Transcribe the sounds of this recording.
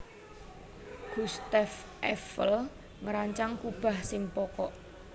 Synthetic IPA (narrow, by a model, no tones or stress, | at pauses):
ɡ̥ust̪af | ʔɛfəl | ŋəɾaɲt͡ʃaŋkub̥a̤hsɪŋpɔkɔʔ